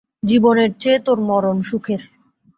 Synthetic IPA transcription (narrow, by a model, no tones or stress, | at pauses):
d͡ʑiboneɾt͡ɕet̪oɾmɔɾonʃukʰeɾ